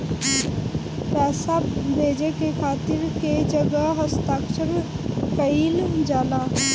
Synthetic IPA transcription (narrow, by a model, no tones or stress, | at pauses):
pɛːsabeːd͡ʒekekʰaːt̪ɪɾked͡ʒəɡəɦəst̪aːkʃəɾ | pəild͡ʒaːlaː